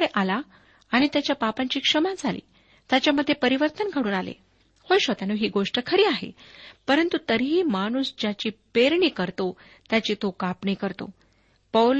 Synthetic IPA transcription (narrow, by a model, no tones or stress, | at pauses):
ɽeʔala | aɽ̃it̪jat͡ɕjapapãɲt͡ɕiːkʂəmãd͡zʱalḭː | t̪jat͡ɕjaməd̪ʱːjepəɾiʋəɾt̪ənɡʱəɽuːnalḛ | hojɕʋət̪anoɦiːɡoʂʈəkʰəɾiːaɦḛpəɾənt̪ut̪əɾɦiːmaɽ̃uːsd͡ʑjat͡ɕiːpeɾɳiːkəɾt̪o | t̪jat͡ɕiːt̪okapɳiːkəɾt̪o̰ | pəl